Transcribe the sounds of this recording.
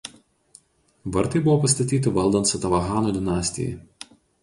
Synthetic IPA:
ʋɐɾt̪ɐɪbʊʋɔːpɐst̪ɐt̪ʲiːt̪ʲɪʋɐlˠd̪ɐnt̪sɐt̪ɐʋɐɣɑːnoːd̪ʲɪnɑːsʲt̪ʲɪ̰jɛ̰

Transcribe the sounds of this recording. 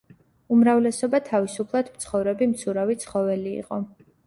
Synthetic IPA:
umɾavlɛsɔbat̪ʰavisupʰlˠad̪mt̪sʰχɔvɾɛbimt̪sʰuɾavit̪sʰχɔvɛlḭːqʼɔ

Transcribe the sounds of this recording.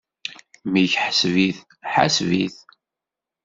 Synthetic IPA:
miçħəsviθ | ħa̰sviθ

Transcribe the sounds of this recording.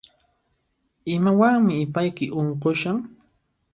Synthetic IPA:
ɪmawaŋmɪːpajkɪʔoɴqoʃaŋ

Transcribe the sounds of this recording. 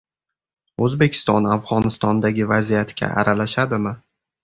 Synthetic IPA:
ɵzbe̞kʲʰɪ̥st̪ɒnavʁɒnɪst̪ɒnd̪aɡʲɪvazijat̪ɡʲa̰ʔa̰ɾalaʃad̪ɪmɪ

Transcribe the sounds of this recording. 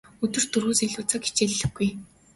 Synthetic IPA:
ɵt̪ɵ̆r̥t̪ɵrɣuːseɮuːt͡săki̥t͡ɕeɮːɘ̆xɡuj

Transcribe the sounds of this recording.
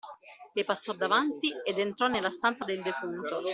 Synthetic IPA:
lepasːɔd̪ːavant̪ied̪ent̪ɾɔnːelːast̪ant̪sad̪eld̪efunt̪o

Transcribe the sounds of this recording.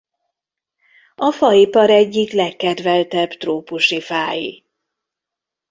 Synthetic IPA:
ɒfɒipɒɾɛɟːiklɛkːɛd̪vɛlt̪ɛbt̪roːpuʃifaːjḭ

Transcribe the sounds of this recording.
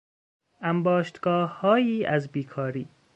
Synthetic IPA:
ʔæmbɒːʃt̪ɡɒːhːɒːjiːʔæzbiːkʰɒːɾiː

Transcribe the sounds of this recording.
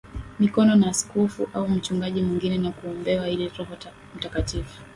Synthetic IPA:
mikɔnɔnaːsi̥kɔfṵʔaum̩t͡ʃuŋɡaʄimwiŋɡinɛnakuɔmbɛwailiɾɔhɔ | m̩takatifu̥

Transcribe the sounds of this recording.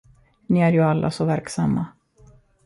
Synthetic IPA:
niæɾjɵalːʔa̰sɔvæɾksamːa

